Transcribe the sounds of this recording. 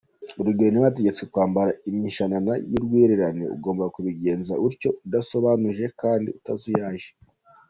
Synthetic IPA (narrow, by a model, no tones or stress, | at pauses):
uɾuɡeːniwate̞ɟet͡sekwaːmbaɾaimiʃananajiɾɡweːɾeɾanḛṵɡo̞ːmbakuβiɡe̞ːnzauɾco̞udaso̞βanuʒe̞kaːndiutazujaːʒe